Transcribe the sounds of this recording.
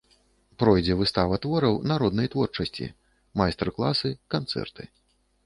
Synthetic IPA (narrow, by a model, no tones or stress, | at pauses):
pɾɔjd͡zʲɛvɨst̪avɐt̪vɔɾɐwnaɾɔd̪nɐjt̪vɔrt͡ʂɐsʲt͡sʲḭ | majst̪ɛrklˠasɨkant̪sɛ̰rt̪ɨ